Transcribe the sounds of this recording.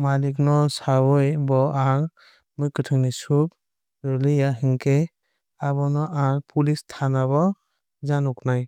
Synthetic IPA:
maliknɔsawɔjbɔaŋ | mujkɯtʰɯŋnisub̚ | ɾɔlɯjaɦiŋkʰe | aβɔnɔʔaɾpʰulistʰanaβɔ | d͡ʒanɔknaj

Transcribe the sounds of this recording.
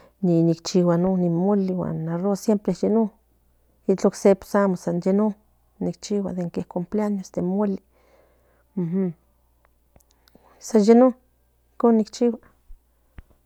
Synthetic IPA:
ninikt͡ʃiwanonimoliwa̰nːarosjempɾejeno | it͡ɬoksepo̥samosanjeno | nik̚t͡ʃiwa̰d̪eŋkehkompleanjosd̪emːoli | m̩h̩ | sanjeno | ikonːikt͡ʃiwa

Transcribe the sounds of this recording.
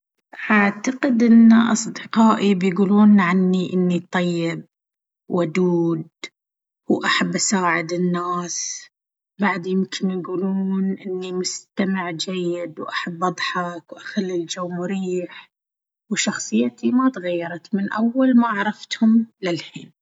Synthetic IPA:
ʔaʕt̪aqɪd̪ʔɪnːaʔɑsˤd̪ɪqɑːʔibjɡuːluːnʕanːiʔɪnːit̪ˤːɑjːɪb̚ | wad̪uːd̪̚ | wʔaħabːʔasaːʕɪd̪ɪnːaːs | baʕd̪jɪmkʰɪnjɡuːluːnʔɪnːimʊst̪amɪʕd͡ʒajːɪd̪wʔaħabːʔɑd̪ˤħɑkwʔaxalːild͡ʒawːmʊɾiːħ | wʃɑxsˤɨjːat̪imat̪ɣajːɑɾˤɑt̪mɪnʔawːalmaʕɾˤɑft̪hʊmlɪlħiːn

